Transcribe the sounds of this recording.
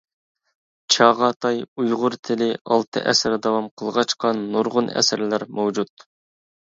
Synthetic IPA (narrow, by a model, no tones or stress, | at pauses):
t͡ʃʰɑʁɑt̪ʰɑjujʁʊɾt̪ʰɪlɪʔɑlˠt̪ʰɨ̰ʔɛsɪɾd̪ɑwɑmqʰəlˠʁɑt͡ʃqɑnːoɾʁʊnɛ̰sɪɾlæɾmowd͡ʒut̪̚